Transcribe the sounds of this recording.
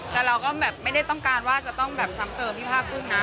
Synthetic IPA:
t̪ɛː˨˩ɾa˧wkɔː˥˩bɛː˨˩pma˥˩jda˥˩jt̪ɔ˥˩ŋkaː˧nwaː˥˩t͡ɕa˨˩t̪ɔ˥˩ŋbɛː˨˩p̚sa˦˥mt̪ɤː˧mpʰiː˥˩pʰaː˥˩k̚ːu˥˩ŋna˦˥

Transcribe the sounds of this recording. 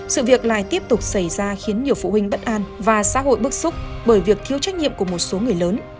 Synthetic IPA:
sɨ̰˧˨vi˨˩ək̚la̰ː˧˨jt̪i˦˥əp̚t̪ʊ˨˩k͡p̚sa˧˩jzaː˧xi˨˦nɲi˨˩əwfṵ˧˨wï˨˩ŋ̟ɓə˦˥t̚ʔaː˧nvaː˨˩sa̰ː˧˥ɦo̰˧˨jɓɨ˦˥ək̚sʊ˦˥k͡p̚ɓəː˧˩jvi˨˩ək̚t̪ʰi˧əwt͡ɕa˦˥k̟̚ɲḭ˧˨mku˧˩əmo˨˩t̚so˨˦ŋɨ˨˩əjləː˨˦n

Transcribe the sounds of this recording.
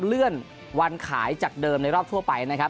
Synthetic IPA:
lɯ˥˩ən | wa˧nkʰa̰ː˩˦jt͡ɕaː˨˩k̚dɤː˧mna˧jɾɔː˥˩p̪̚ʰu˥˩əpa˧jna˦˥kʰa˦˥p̚

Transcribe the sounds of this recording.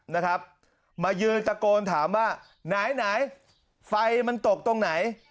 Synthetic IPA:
na˦˥kʰa˦˥p̚ | maː˧jɯː˧nt̪a˧koː˧nt̪ʰaː˩˦mwaː˥˩ | naː˩˦jnaː˩˦j | fa˧jma˧nt̪o˨˩k̚t̪o˧ŋna˩˦j

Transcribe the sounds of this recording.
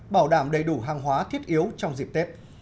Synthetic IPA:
ɓaː˧˩wɗaː˧˩mɗə˨˩jɗu˧˩ɦaː˨˩ŋɦwaː˨˦t̪ʰi˦˥ət̚ʔi˨˦əwt͡ɕɔ˧wŋ͡mzi˨˩p̚t̪e˦˥p̚

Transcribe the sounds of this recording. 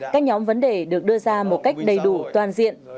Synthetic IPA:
kaː˦˥k̚ɲɔ˨˦mvə˨˦nɗe˨˩ɗɨ˨˩ək̚ɗɨ˧əzaː˧mo˨˩t̚ka˦˥jk̟̚ɗə˨˩jɗu˧˩t̪waː˨˩nzḭ˧˨ən

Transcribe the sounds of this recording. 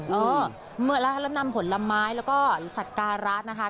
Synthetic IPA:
ʔɤː˧ | mɯ˩˥la˧kʰa˦˥lɛː˦˥˩wna˧mpʰo˩˦nla˧mːaː˦˥jlɛː˦˥wkɔː˥˩sa˨˩t̪̚kaː˧ɾa˦˥t̪̚na˦˥kʰa˦˥

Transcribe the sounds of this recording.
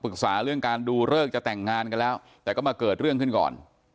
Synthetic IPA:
pɯ˨˩k̚saː˩˦ɾɯ˥˩əŋkaː˧nduː˧ɾɤː˥˩k̚t͡ɕa˨˩t̪ɛ˨˩ŋːaː˧nka˧nlɛː˦˥wt̪ɛː˨˩kɔː˥˩maː˧kɤː˨˩t̪̚ɾɯ˥˩əŋkʰɯ˥˩nkɔ̰ː˨˩n

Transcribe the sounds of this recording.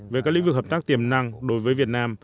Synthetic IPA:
ve˨˩kaː˦˥kli˨˦ŋvɨ˨˩k̚həː˨˩p̚t̪a˦˥k̚t̪i˨˩əmna˧ŋɗo˨˦jvəː˨˦jvi˨˩ət̚naː˧m

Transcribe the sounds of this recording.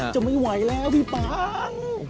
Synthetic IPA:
t͡ɕa˨˩ma˥˩jwa˩˦jlɛː˦˥˩wt̪i˧˩paː˧˦ŋ

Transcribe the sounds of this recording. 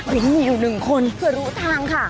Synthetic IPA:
wi˨˩˦ŋmiː˧juː˨˩nɯ˨˩ŋkʰo˧npʰɯ˧˩ɐɾuː˦˥t̪ʰaː˧ŋkʰa˥˩

